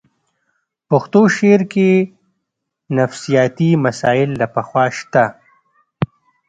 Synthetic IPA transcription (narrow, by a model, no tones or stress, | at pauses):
pʊxt̪oʃeɾke | nɐfsijɑːt̪imɐsaːɪlːapɐxwɑʃt̪a